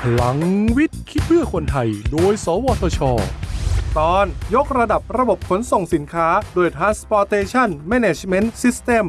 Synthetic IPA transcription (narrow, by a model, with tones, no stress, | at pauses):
pʰla˩˦ŋwi˦˥t̪̚kʰi˦˥t̪̚bʰɯ˥˩ɐkʰo˧nt̪ʰa˧jdoː˧jsɔː˩˦wɔː˧t̪ʰɔː˧t͡ɕʰɔː˧t̪ɔː˧˩njo˦˥k̚ɾa˧da˨˩p̚ɾa˧bo˨˩p̚kʰo˩˦nso˨˩ŋsi˩˦nkʰaː˦˥doː˧jt̪ʰɾaː˦˥nspɔː˧t̪eː˧t͡ɕʰa˥˩nmɛː˧neː˨˩t͡ɕʰme˦˥nsi˦˥st̪e˧˩m